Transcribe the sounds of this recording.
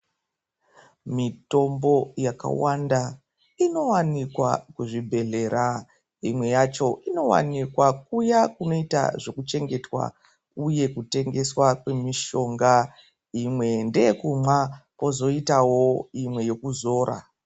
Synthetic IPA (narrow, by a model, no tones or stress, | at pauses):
mito̞mbo̞jaka̰wanda | ino̞wanikwa̰kuʐibʱe̞ɮe̞ɾa | imwe̞jat͡ʃo̞ʔino̞wa̰nikwak̚ujakuno̞ita̰ʐo̞kut͡ʃe̞ŋɡe̞twa̰ | uje̞kute̞ŋɡe̞swakwe̞miʃo̞ŋɡa | imwe̞ndeekumapo̞zo̞itawo̞imwe̞je̞kuzo̞ːɾʔa̰